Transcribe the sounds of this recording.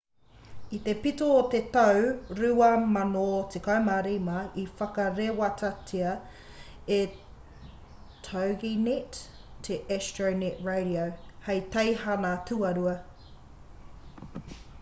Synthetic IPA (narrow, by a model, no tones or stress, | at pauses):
it̪epitoːt̪et̪awɾʉɐmɐnotʰekaemaɾimɐifɐkɐɾewɐtɐtʰiɐ | e | tʰawɡinit | tʰeʔɛstoneʔɹejɾiowhejt̪ɐjhɐnatʰuɐɾuɐ